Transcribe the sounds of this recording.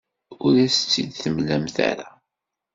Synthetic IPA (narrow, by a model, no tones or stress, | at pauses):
ʊɾæst͡sːid̪θəmlæmθæ̰ɾa